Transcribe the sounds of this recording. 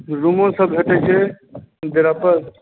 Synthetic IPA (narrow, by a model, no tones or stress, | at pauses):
ɾumõsəbbʱeʈeke | d̪eɾapəɾ